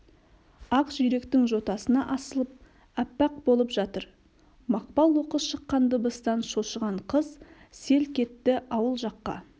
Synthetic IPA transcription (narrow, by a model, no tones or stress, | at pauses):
ɑqsʒʏɾe̞kt̪ɪŋʒo̞t̪ɑsənɑʔɑsəlˠəp̚ | æpːɑq̚bo̞lˠəpʒɑt̪əɾ | mɑq̚pɑlˠwo̞qəsʃəqːɑnd̪əbəst̪ɑnʃo̞ʃəʁɑɴqʰəz | se̞lkʲʰe̞t̪ːɪʔɑwəlˠʒɑqːɑ̰